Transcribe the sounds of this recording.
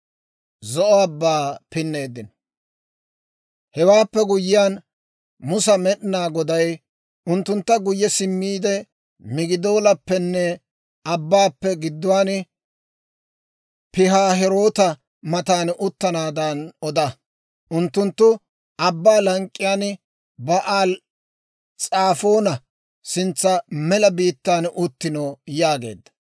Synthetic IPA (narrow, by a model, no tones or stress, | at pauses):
zɔʔɔɐbːaːpɪnːe̞ːd̪ːɪnɔ | hɛwaːpːɛɡʊjɪjaːn | mʊsɐmɛʔnaːɡɔd̪ɐj | ʊnt̪ːʊnt̪ːɐɡʊjːɛsɪmːiːd̪ɛ | mɪɡɪd̪oːlɐpːɛnːɛ | ɐbːaːpːɛɡɪd̪ːʊwaːn | pɪɦaːɦɛɾo̞ːt̪ɐ | mɐt̪aːnʊt̪ːɐnaːd̪ɐnɔd̪ɐ | ʔʊnt̪ːʊnt̪ːʊ | ɐbːaːlɐŋkʼːɪjaːn | bɐʔaːl | t͡sʼaːfo̞ːnɐ | sɪnt͡sːɐmɛlɐbiːt̪ːaːnʔʊt̪ːɪnojaːɡe̞̰ːd̪ːɐ̥